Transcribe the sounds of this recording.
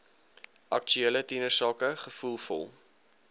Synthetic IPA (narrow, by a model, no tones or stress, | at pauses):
ʔɐ̰kt͡ʃyelətinərsɑːkəχəfulˠfɔ̰lˠ